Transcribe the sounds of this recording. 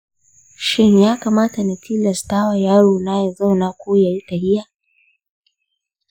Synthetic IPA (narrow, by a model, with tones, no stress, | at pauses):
ʃɪ˦njaː˦ka˨maː˦ta˨na˨tʰi˦lɐ˨staː˦wa˨jaː˦ɽoː˨na˦ja˨za˦wna˦kʷoː˦ja˨ji˦ta˨hɪ˦ja˦˨